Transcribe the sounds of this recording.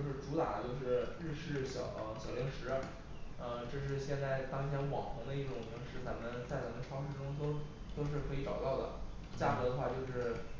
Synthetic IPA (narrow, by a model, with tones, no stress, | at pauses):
jo˥˧ʊʂ̬ɻ̩˥˩ʈ͡ʂu˧˥t̪a̰˨˩t͡ɕjo˥˧ʊʂɻ̩˥˩ɻɻ̩˥˧ʂɻ̩˥˩ɕjɑ˨˩ʊʔə˧ɕjɑ˨˩ʊli˧˥ŋʂɻ̩˧˥˧ | ə˧ʈ͡ʂɤ˥˧ʂ̬ɻ̩˥˧ɕjɛ˥˧nt͡sa˥˩ɪt̪ɑ˥ŋt̪ʰjɛ˧˥nwɑ˨˩ŋxʰɤ˧˥ŋd̪ə˧i˥˩ʈ͡ʂʊ˨˩ŋli˧˥ŋʂɻ̩˥˩t͡sa˧˥mə˧nt͡sa˥˩ɪt͡sa˧˥mə˧nʈ͡ʂʰwɑ˥ŋʂ̩˥˧ʈ͡ʂʊ˥ŋt̪o˥ʊ | t̪o˥ʊʂ̬ɻ̩˥˩kʰɤ˧˥i˧˥ʈ͡ʂɑ˨˩ʊt̪ɑ˥˩ʊd̪ə̰˩ | t͡ɕja˥˩xɤ˧˥d̪ə˧xwa˥˧t͡ɕjo˥˧ʊʂɻ̩˥˩